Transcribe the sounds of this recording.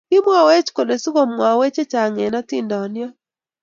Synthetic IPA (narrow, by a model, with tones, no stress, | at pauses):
ki˦mwa˨we˦t͡ʃko˨le˨su˦ɣo˦˨mwa˨we˦t͡ʃe˦t͡ʃa˨ŋe˨na˦ti˦ndɔ˨njɔ˦